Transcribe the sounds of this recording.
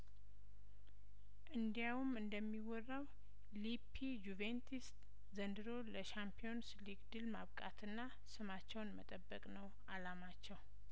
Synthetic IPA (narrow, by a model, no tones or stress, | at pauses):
ʔɨnd̪ijawumɨnd̪əmːiwɔrːaw | lipʰid͡ʒuvent̪ʰist̪ | zənd̪ɨɾo̞ləʃampʰijo̞nsliɡd̪ɨlma̰βkʼa̰t̪ʰɨnːa | sɨmat͡ʃːɛwnmə̰t̪ʼəbːəkʼnəw | alamat͡ʃːɛw